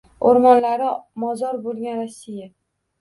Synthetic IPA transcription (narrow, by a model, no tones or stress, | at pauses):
oɾmɒnlaɾɪmɒzɒɾbolˠɡʲanɾasːija